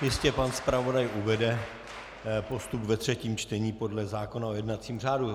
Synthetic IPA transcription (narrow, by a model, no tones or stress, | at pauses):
jɪscɛpanspɾavo̞dajʔuvɛdɛ | po̞st̪upvɛt̪r̝̥ɛciːmt͡ʃt̪ɛɲiːpo̞dlɛzaːko̞naojɛdnat͡siːmr̝aːdu